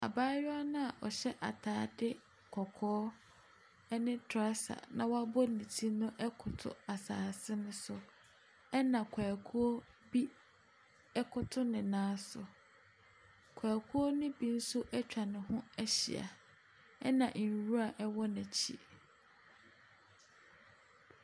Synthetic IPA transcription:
a̰˨baː˦jɔ˦a˦nʊ̃˦a˨ʔɔ˨ɕɛ˦ʔa̰˨tʰaː˨˦dɪ˦ | kʰɔ˨kʰɔː˦ | ɛ˦nɪ̃˦tʰɾa˦sa̰˨nã˨wa˦bɔ˦nĩ˨tʰi˦nʊ̃˦ʔɛ˦kʰʊ˨tʰʊ̰˨a˨saː˨sɪ˦nʊ̃˦sʊ˦ | ɛ˦nã˨kʷʰa˨kʰu˦o˦ | bi˦ | ɛ˦kʰʊ˦tʰʊ˦nɪ̃˨nãː˦sʊ˨ | kʰaː˨kʰu˦o˦nʊ̃˦bi˦n̩˦sʊ˦ʔɛ˦t͡ɕᶣa˨nɪ̃˨ɦʊ̃˦ɛ˦ɕḭ˨a̰˨ | ɛ˦nã˨ʔ̩˨ɾu˦a˨ʔɛ˦wɔ˦næ̃˨t͡ɕʰḭ˨

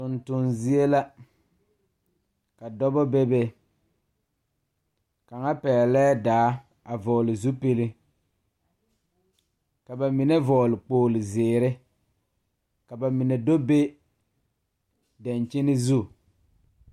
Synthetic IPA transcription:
tʊ˨ntʊ˨nzi˦e˦la˦ | ka˨dɔ˦bɔ˦bɛ˦bɛ˦ | ka˨ŋa˦pɛː˨lɛː˦daː˨˦ | a˨vɔː˨lɪ˨zu˦pe˦lɪ˦ | ka˨ba˨mɪ˨nɛ˦vɔː˨lɪ˨k͡poː˨lɪ˨zɪː˨ɾɪ˦ | ka˨ba˨mɪ˨nɛ˨do˦be˦ | da˨nt͡ʃɪ˦nɪ˦zu˦

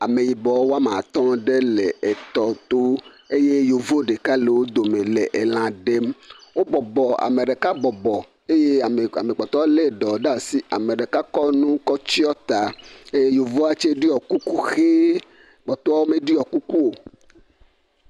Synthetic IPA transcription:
a˨me˨ji˨bɔ˨˦wo˦a˦mã˨t̪ɔ̃˦ɖe˦le˨e˨t̪ɔ˨t̪o˦ | e˦je˦jo˨vo˦ɖe˨ka˦le˨wo˦d̪o˨mẽ˨le˨ʔe˨l̃ã˨ɖe˦mwo˦bɔ˨bɔ˨a̰˨me˨ɖe˨ka˦bɔ˨bɔ˨ | e˦je˦˨a̰˨me˨k͡pɔ˨t̪ɔ˦le˦˨ɖɔ˨ɖa˦˨si˦a˨me˨ɖe˨ka˦kɔ˦nũ˦kɔ˦t͡ɕi˦ɔ˦t̪a˨e˦je˦jo˨vo˦a˦t͡ʃe˦ɖi˦ɔ˨ku˦ku˦xe˦ | k͡pɔ˨t̪ɔ˦a˦wo˦mẽ˦ɖi˦ɔ˨ku˦ku˦o˨

